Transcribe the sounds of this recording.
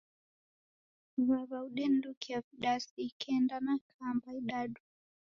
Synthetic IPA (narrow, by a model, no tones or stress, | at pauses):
βaβauɗɛn̩dukiaviɗasikʰɛndanakʰambaiɗaɗu